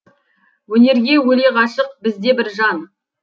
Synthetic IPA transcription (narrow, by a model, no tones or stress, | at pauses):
wɵne̞ɾɡʲe̞wɵle̞qɑʃəq̚bɪzd̪e̞bɪɾʒɑn